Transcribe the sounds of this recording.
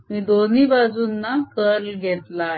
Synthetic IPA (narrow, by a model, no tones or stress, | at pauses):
miːd̪oniːbad͡zuːnːakəɾɡʱɛt̪la